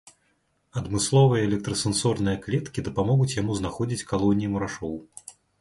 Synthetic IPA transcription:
ɐd̪mɨslˠɔvɨjɐɛlʲɛk̚t̪ɾɐsɛnsɔrnɨjɐklʲɛt̪kʲid̪ɐpamɔɣut͡sʲjamuznaxɔd͡zʲit͡sʲkalˠɔnʲijimuɾaʂɔw

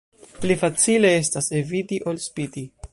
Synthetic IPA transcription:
plifat͡sile̞e̞stase̞vidiʔo̞lspidi

